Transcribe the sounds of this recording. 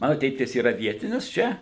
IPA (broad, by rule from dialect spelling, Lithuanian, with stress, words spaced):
ˈmɑːnʊ ˈtʲeːtʲɪs iːˈrɐ ˈʋʲiɛtʲɪnʲɪs ˈt͡ʃʲɛ